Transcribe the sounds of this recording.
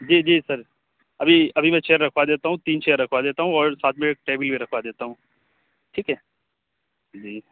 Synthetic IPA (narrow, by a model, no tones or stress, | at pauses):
d͡ʒiːd͡ʒiːsɐɾ | ɐbʱiɐbʱimɛ̃t͡ʃeːəɾːɐkʰʋad̪eːt̪aɦũt̪iːnt͡ʃeːəɾːɐkʰʋad̪eːt̪aɦũɔːɾsaːt̪ʰmẽk̚ʈeːbɪlbʱiɾɐkʰʋad̪eːt̪aɦũː | ʈʰiːkɦɛː | d͡ʒiː